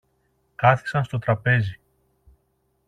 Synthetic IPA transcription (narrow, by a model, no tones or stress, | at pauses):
kɐθi̥sɐnst̪o̞t̪ɾɐpe̞zi